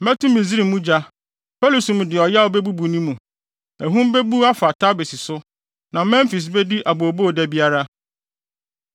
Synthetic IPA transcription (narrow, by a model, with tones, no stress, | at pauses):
mɛ˦tʰũ˦mi˨zi˦ɾi˨mũ˦d͡ʑa˦ | pʰɛ˦lu˨su˨mũ˨dɪ˨ɔ˨ja˦ɔ˦be˦bu˦bu˨nĩ˦mũ˨ | æ˨ɦũ˦m˦be˦bu˦a˦fa˨tʰa˦be˨si˨sʊ˦ | nã˨mɛ̃˦m˦fi˨s̬bɛ˦di˦ʔa˨bo˨bo˦˨dæ˦bi˦a˦ɾa˦